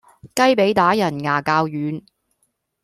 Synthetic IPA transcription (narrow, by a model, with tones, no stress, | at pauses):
kɐ˥jpe˨˥jt̪aː˨˥jɐ˨˩nŋaː˨˩kaː˧wjyː˨˧n